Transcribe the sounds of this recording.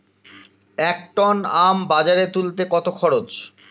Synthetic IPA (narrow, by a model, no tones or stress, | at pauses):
ɛk̚ʈɔnambad͡ʑaɾet̪ult̪ekɔt̪okʰɔɾot͡ɕ